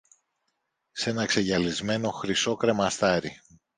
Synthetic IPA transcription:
se̞nɐkse̞ʝɐlizme̞no̞xɾiso̞kɾe̞mɐst̪ɐɾi

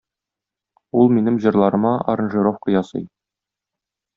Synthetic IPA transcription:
ulˠminɘmʑɤ̆ɾlˠɑɾɤ̆mɑɐ̰ɾɤ̆nʒɘɾofqkɤ̆jɑsɤ̰j

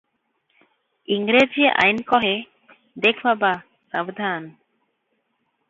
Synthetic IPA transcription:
iŋɡɾed͡ʒieʔa̰jnkɔɦe | d̪ekʰbaba | sabd̪ʱan

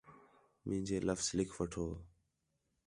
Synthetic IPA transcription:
mʔɪ̃ːd͡ʒeːləfslɪkʰʋəʈʰoː

